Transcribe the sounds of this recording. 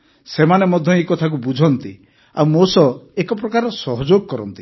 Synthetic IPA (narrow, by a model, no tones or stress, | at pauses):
semanemɔd̪ʱjɔikɔt̪ʰak̬ubud͡ʒʱɔnt̪i | a̰wmosɔekɔp̬ɾɔkaɾɔsɔɦɔd͡ʒoɡ̚kɔɾɔnt̪i